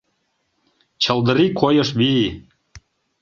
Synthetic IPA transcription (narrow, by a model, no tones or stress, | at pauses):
t͡ɕɤ̆ld̪ə̆ɾikʰojɤʃβi